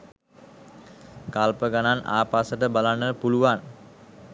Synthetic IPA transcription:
kalpəɡanana̰ːpaːsəʈəbalanːəpuluʋan

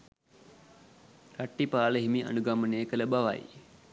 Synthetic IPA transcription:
raʈːipaːləɦimia̰nuɡamənəjːkələbaʋa̰j

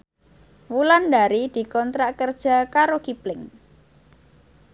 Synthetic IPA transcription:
wulandaɾid̪̥i̤kɔnt̪ɾaʔkərd̥ʒ̥a̤kaɾokiplɪŋ

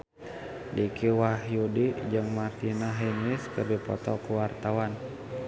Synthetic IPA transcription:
dikʰiwaɦjudid͡ʒɨŋmart̪inaɦinɪskərdipɔ̰t̪ɔkuwart̪awan

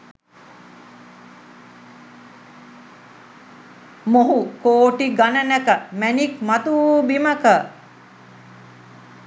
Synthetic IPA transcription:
moɦukoːʈiɡanənækəmænikmat̪uuːbiməkə

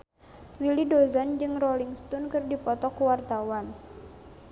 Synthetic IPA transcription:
wilidozand͡ʒɨŋrɔliŋst̪ɔnkɨrdipɔt̪ɔkuwart̪awan

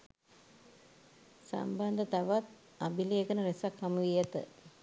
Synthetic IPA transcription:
sa̰mband̪ət̪aʋat̪̚ | abilieɡənəɾesakhɐmuʋijet̪ə̰

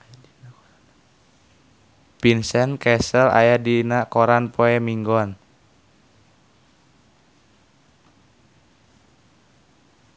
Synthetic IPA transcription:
pinsɛnkɛsəla̰jadinaʔkɔɾanpʰɔɛmiŋɡɔn

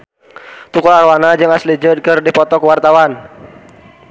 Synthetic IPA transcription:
t̪ukɔlarwanad͡ʒɨŋaslid͡ʒəd̚kɨrdipɔt̪ɔkwart̪awan

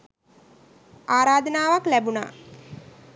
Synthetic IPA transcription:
aːɾaːd̪ənaːʋaklæbuna̰ː

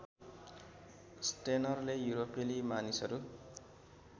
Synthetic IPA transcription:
sʈenʌrlejuɾopelimanisʌɾu

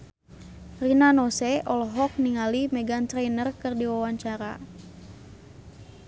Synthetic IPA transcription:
rinanɔsɛʔɔlɦɔk̚niŋalimɛɡant̪ɾejnərkɨrdiwawaɲt͡ʃaɾa̰

